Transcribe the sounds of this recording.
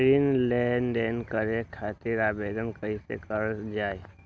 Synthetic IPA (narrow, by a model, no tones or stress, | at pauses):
ɾinlɛnɖeːnkəɾekʰaːt̪ɪɾaːbeːd̪ənkəisḛkəɾd͡ʒaːe